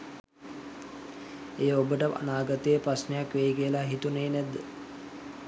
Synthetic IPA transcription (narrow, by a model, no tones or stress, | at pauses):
ejəobəʈəʔa̰naːɡat̪əjəprasnəjakʋejikiəlaɦit̪uneːnæd̪ːə